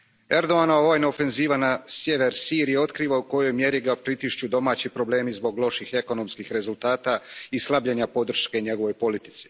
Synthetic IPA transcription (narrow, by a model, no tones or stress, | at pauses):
e̞ɾd̪o̞anaoʋojnoofe̞nziːʋanasje̞ʋe̞ɾsiːɾijeo̞t̪kɾiːʋauko̞jo̞jmje̞ɾiɡapɾit̪iʃt͡ɕud̪o̞maːt͡ɕipɾo̞ble̞ːmizbo̞ɡlˠo̞ʃixe̞ko̞no̞mskixɾe̞zult̪aːt̪aislˠabʎeɲapo̞d̪r̩ʃke̞ɲe̞ɡo̞ʋo̞jpo̞lit̪i̥t̪si̥